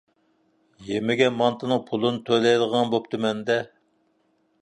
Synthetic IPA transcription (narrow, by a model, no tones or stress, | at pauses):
jemɪɡʲɛmɑnt̪ʰɨnɨŋpʰulˠɨnɨt̪ʰølɛjd̪əʁɑnbop̚t̪ʰumɛnd̪ɛ